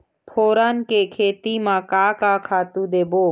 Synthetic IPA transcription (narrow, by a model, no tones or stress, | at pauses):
pʰoːɾaːnkekʰeːt̪imãːkaːkaːkʰaːt̪ũd̪eːboː